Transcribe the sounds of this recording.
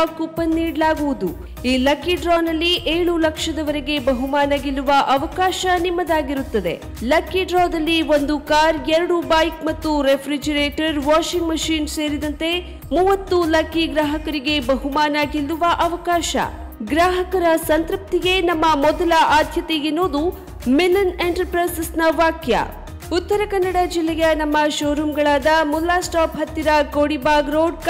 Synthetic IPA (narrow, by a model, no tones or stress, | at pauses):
akupɐnːiːɽlaːɡuʋud̪u | iːlɐkːiɖɾɔːnɐlːiʔeːɭulɐkʂɐd̪ɐʋɐɾeɡe̞bɐɦumaːnaːɡilːuʋɐʔɐʋɐkaːʃɐnimːɐd̪aːɡiɾut̪ːɐd̪e̞̰ | lɐkːiɖɾɔːd̪ɐlːiʋond̪ukaːɾɛɾɐɽubaːjkmɐt̪ːuɾepʰɾid͡ʒɐɾeːʈɐɾʋaːʃiŋɡmɐʃiːnse̞ːɾid̪ɐnt̪e̞ | muːʋɐt̪ːulɐkiɡɾaːɦɐkɐɾiɡe̞bɐɦumaːnaːɡilːuʋɐʔɐʋɐkaːʃɐ̰ | ɡɾaːɦɐkɐɾɐsɐnt̪ɾɐp̚t̪iɡe̞nɐmːɐmɔd̪ɐlɐʔaːd̪ʱjɐt̪ejinːoːd̪u | milːɐneɳʈɐɾpɾɐsisnɐʋaːkjɐ̰ | ut̪ːɐɾɐkɐnːɐɽad͡ʒilːɛjɐnɐmːɐʃoːɾumɡɐɭaːd̪ɐmulːaːsʈaːpɦɐt̪ːiɾɐkoːɽibaːɡɾoːɖ̚k